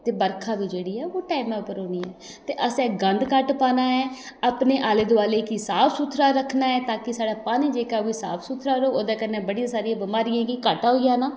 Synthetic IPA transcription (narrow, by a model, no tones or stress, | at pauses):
t̪eːbəɾkʰaːʋiːd͡ʒeːɽiːɛːoːʈaːɪmɛ̃ːʊpəɾoːniːɛː | t̪eːʔəsɛ̃ːɡənd̪kəʈpaːnaːɛː | aːpneːʔaːleːd̪ʊaːleːkɪsaːpʰsuːt̪ʰːɾaːɾəkʰnaːɛːt̪ãːkɪsaːɖaːpaːniːd͡ʒeːkaːoiːsa̰ːpʰsuːt̪ʰɾaːɾoːoːd̪aːkənːẽːbəɽjãːsaːɾiãːbəmaːɾɪjãːɡiːkəʈaːɦoːijãːnaː